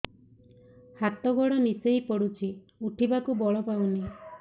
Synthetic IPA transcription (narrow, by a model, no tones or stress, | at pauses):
hat̪ɔɡɔɽɔnisejpɔɽut͡ʃʰi | uʈʰibakubɔɭɔpawni